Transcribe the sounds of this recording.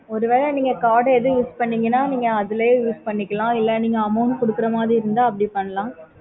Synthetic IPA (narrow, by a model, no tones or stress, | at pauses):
ɔɾɯʋeːɾɐniːŋɡɐkaːɽɛðɯjuːspɐɳːiːŋɡɐnːaːniːŋɡɐɐðɯlɐjõjuːspɐɳːɪkːɐlãːɪlːɛniːŋɡɐɐmɐʊɳɖkɔɽɯkːɪɾɐmaːðɾiɪɾɯnd̪aːɐpːɐɽipɐɳːɐlãː